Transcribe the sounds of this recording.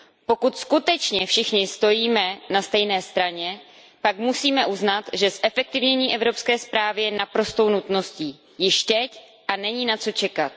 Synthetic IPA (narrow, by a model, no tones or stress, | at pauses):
po̞kut̪skut̪ɛt͡ʃɲɛfʃɪxɲɪst̪o̞jiːmɛnast̪ɛjnɛːst̪ɾaɲɛ | pakmusiːmɛʔuznat̪ʒɛsʔɛfɛk̚t̪ɪvɲɛɲiːʔɛvɾo̞pskɛːspɾaːvɪjɛnapɾo̞st̪o̞wnut̪no̞sciː | jɪʃt̪ɛc | ʔanɛɲiːnat͡so̞t͡ʃɛkat̪̚